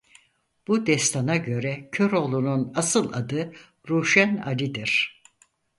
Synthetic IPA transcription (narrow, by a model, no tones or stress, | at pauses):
b̥ud̪ɛst̪ʰanaɟø̞ɾɛcʰø̞ɾo̞lˠununasɯlˠa̰d̪ɯ | ɾuːʃæna̰lʲid̪iɾ̥